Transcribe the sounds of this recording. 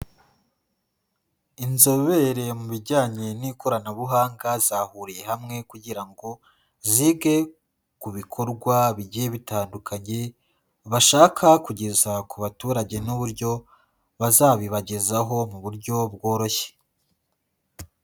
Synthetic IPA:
inzo̞βe̞ɾe̞muβiɾɟaːɲe̞niko̞ɾanaβuɦaːŋɡazaːhuɾije̞hamŋe̞kuɟiɾaŋɡo̞ | ziɡe̞ | kuβikʰo̞ɾɡwaβiɟieβitaːndukʰaɲe̞ | βaʃaːkʰakuɟe̞zakuβatuːɾaɟe̞nuβuɾɟo̞ | βazaːβiβaɟe̞zaɦo̞muβuɾɟo̞bɡo̞ːɾo̞çe̥

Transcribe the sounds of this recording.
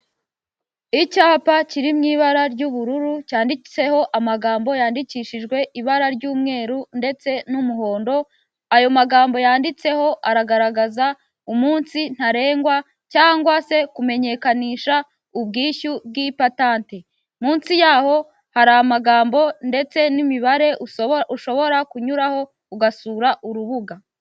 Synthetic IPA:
icaːpaciɾimŋiːβaɾaɾɟuβuɾuɾucaːndit͡se̞ho̞ʔamaɡaːmbo̞jaːndiciːʃiʒɡwe̞ʔiβaɾaɾɟuːmŋe̞ːɾunde̞t͡se̞numuɦo̞ːndo̞ | ajo̞maɡaːmbo̞jaːndit͡se̞ho̞ʔaɾaɡaɾaɡaza | umuːnsin̥haɾe̞ːŋɡwa | caːŋɡwase̞kume̞ɲe̞kaniːʃa | ubɡiːʃub̚ɡipataːnte̞ | muːnsijaːho̞ | haɾaːmaɡaːmbo̞nde̞t͡se̞nimiβaɾe̞ʔuuʃo̞βo̞ɾakuɲuɾaho̞ | uɡasuːɾaʔuɾuβuɡa

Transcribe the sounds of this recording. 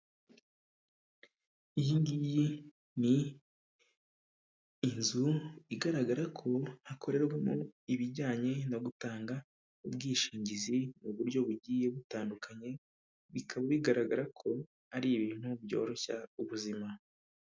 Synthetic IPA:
ijiːndiji | ni | nzuiɡaɾaɡaɾakʰo̞hakʰo̞ɾe̞ɾɡamoiβiɟaːɲe̞noɡutaːŋɡa | ubɡiːʃiːɲɟizinuβuɾɟo̞βuɟiːje̞βutaːndukʰaɲe̞ | βikʰaβaβiɡaɾaɡaɾakʰo̞ | aɾiːβiːn̥hubjo̞̰ːɾo̞ça̰uβuzima

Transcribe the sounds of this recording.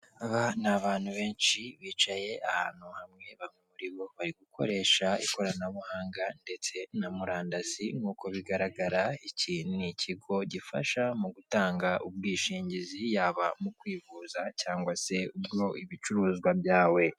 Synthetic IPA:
aβanaβaːn̥huβe̞ːnʃiβiːt͡ʃaje̞ʔaha̰ːn̥huhamŋe̞βamŋemuɾiβo̞βaɾiɡukʰo̞̰ɾe̞ʃaḭko̞ɾanaβuhaːŋɡande̞t͡se̞namuɾaːndaziŋuːkʰo̞βiɡaɾaɡaɾaiciːnunicʰiɡo̞ɟifa̰ʃamuɡutaːŋɡaʔubɡiːʃiːɲɟizijaːβa̰mukwiːvuːzacaːŋɡwase̞ubjo̞ʔiβit͡ʃuɾuːzɡwabjaːwe̞

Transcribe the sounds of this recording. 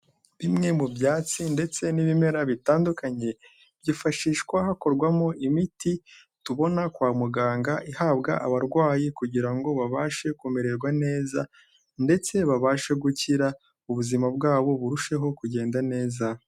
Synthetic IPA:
βimŋe̞mubɟaːt͡sinde̞t͡se̞niβime̞ɾaβitaːndukaɲe̞ | b̥ɟifaʃiːʃkwahako̞ɾɡwamoʔimiti | tuβo̞nakwaːmuɡaːŋɡaʔihaːbɡa̰ʔaβaɾɡwaːjikuɟiɾaŋɡo̞βaβaːʃe̞kumeɾe̞ɾɡwane̞ːza | nde̞t͡se̞βaβaːʃe̞ɡuciɾa | uβuzimabɡaːβo̞βuɾuʃe̞ɦo̞kuɟe̞ːndane̞ːza

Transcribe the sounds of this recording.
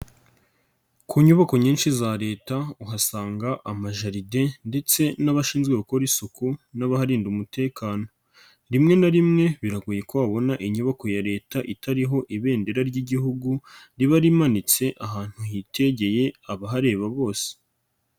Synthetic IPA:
kʰuɲuβako̞ɲiːnʃizaɾe̞ːtauɦasaːŋɡaʔamaʒaɾide̞nde̞t͡se̞naβaʃiːnzɡwe̞βako̞ɾisukunaβahaɾiːndumute̞ːkaːno̞ | ɾimŋe̞naɾimŋe̞βiɾaɡuje̞kwoaβo̞naʔiɲuβako̞jaɾe̞ːtaʔitaɾiɦo̞ʔiβe̞ːnde̞ɾaɾɟiɟihuɡuɾiβaɾimanit͡se̞ʔaɦaːn̥huhitʰe̞ɟe̞je̞aβaɦaɾe̞ːβaβo̞ːse̥

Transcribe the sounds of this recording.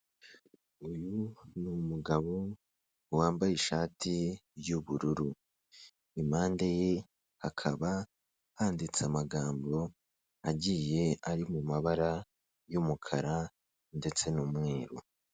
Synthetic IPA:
ujunumuɡaβo | waːmbajiʃaːtijuβuɾuɾu | imaːndeje̞ | hakʰaβa | haːndit͡samaɡaːmbo̞ | aɟije̞aɾimumaβaɾa | jumukʰaɾa | nde̞t͡se̞numŋeːɾo

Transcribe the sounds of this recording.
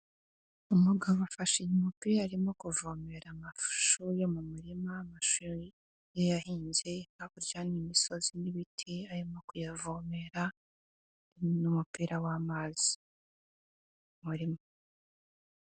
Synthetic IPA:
umuɡavoafaʃiɲumupiːɾaːɾimo̞kuvome̞ɾamafu̥ʃuɾjomumuɾimamaʃuɾi | jojahiːɲzehaβuɾɟaːnimiso̞ziniβitʰiaɾimo̞kujavoːme̞ɾa | numupiːɾawaːmaːzi̥ | muɾima

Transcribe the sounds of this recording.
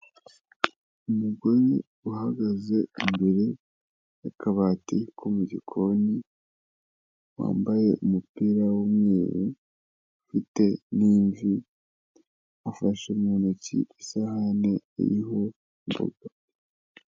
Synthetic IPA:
umuɡo̞ɾi | uhaɡaze̞imbeɾe | jakʰaβaːtikʰomuɟikʰo̞ni | wa̰ːmbaje̞ʔumupiːɾawumŋeːjṵ | ufite̞niːɱvi | afaʃumɲonocḭisahane̞ḭɾiɦo̞ | mbṵɡa

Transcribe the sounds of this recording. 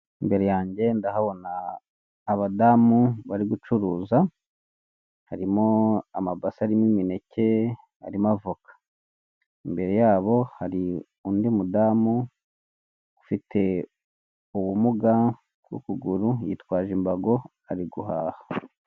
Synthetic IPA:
imbe̞ɾejaːɲɟe̞ndaɦaβo̞naː | βadaːmuβaɾiɡut͡ʃuɾuːza | haɾimoamabasaɾimimine̞cʰe̞ | a̰ɾimavokḁ | imbe̞ɾe̞jaːβo̞haɾi | undimudaːmu | ɡufitʰe̞ | uβumuɡa | kwṵkuɡuɾujḭtwaːʒimbaɡo̞ | aɾiɡuɦaːha

